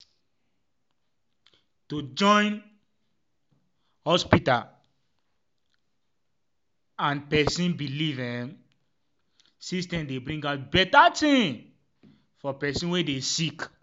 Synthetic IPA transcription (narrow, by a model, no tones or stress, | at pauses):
tod͡ʒɔ̃ɪ̃n | hɔspital | ãnpɛsĩnbilivɛ̃m | sĩstɛ̃mdebɹĩŋɡaʊt̚bɛtatʰĩ | fɔpɛsĩwedesik